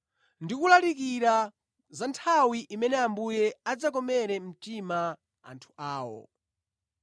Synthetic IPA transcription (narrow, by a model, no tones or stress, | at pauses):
ndikulalik̬iɾa | zantʰawiʔimɛnɛambujɛad͡zakɔmɛɾɛm̩tima | a̰ntʰu̥ʔaːwɔ̰